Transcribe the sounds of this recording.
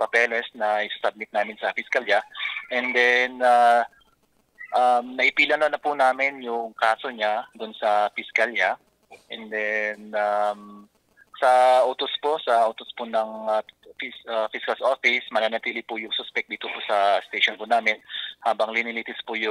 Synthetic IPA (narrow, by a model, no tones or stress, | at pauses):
pɐpɛlɛsnɐɪsɐsɐb̚mɪt̪̚naːmɪnsɐfɪskaljaʔɛnd̪ɛna | ʔamnɐʔɪpiːlɐnonɐpʊnaːmɪnjʊŋkaːsoɲad̪ʊnsɐfɪskalja | ʔɛnd̪ɛnam | sɐʔʊt̪osposɐʔot̪ospʊnɐŋɐfisafiskɐlsʔofɪsmɐnaːnɐt̪iːlɪpʊjʊŋsospɛk̚d̪iːt̪opʊsɐst̪ejʃonpʊnaːmɛnhaːbɐŋlɪnɪliːt̪ɪspʊjʊ